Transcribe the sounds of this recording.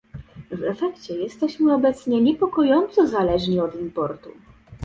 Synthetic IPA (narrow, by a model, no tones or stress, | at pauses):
vɛfɛkt͡ɕɛjɛst̪ɛɕmɘɔbɛt̪sɲɛɲɛpɔkɔjɔnt̪sɔzalɛʐɲiɔd̪impɔɾt̪u